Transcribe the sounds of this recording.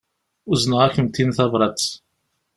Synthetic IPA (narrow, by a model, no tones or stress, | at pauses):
uzənəʁæçəmt̪ːinθɑvɾˤɑ